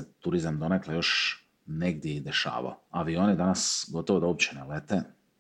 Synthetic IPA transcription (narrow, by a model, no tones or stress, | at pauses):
et̪uɾizamd̪o̞neklajo̞ʃ | neɡd̪jeid̪e̞ʃa̰ːʋa̰oaʋio̞nid̪anasɡo̞t̪oʋod̪aop̚t͡ɕenelet̪e